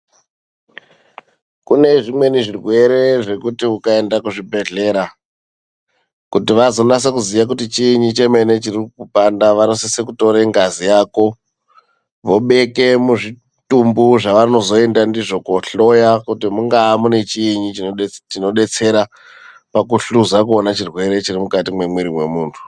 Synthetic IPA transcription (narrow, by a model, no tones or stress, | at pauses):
kune̞ʐimwe̞niʐirwe̞ɾe̞ʐe̞kutiukae̞ndakuʐibʱe̞ɮe̞ːɾa | kutiʋazo̞nas̬ek̬uzijak̬utit͡ʃiːɲit͡ʃe̞me̞ne̞t͡ʃirikupandaʋanosisekuto̞ɾeŋɡazijaːko̞ | ʋo̞ɓe̞ke̞muʐi | tumbuʐaʋano̞zo̞e̞ndandiʐo̞koɬo̞jakutimuŋɡaːmune̞t͡ʃiiɲit͡ʃitino̞ɗe̞t͡se̞ɾa | pak̬uɬuzakuonat͡ʃirwe̞ɾe̞t͡ʃirimukatimwe̞mwiɾimwe̞muːntʰu̥